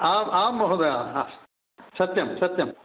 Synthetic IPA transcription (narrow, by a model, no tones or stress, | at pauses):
aːmaːmːɔɦod̪ɐjaːas | sɐt̪jɐmsɐt̪jɐm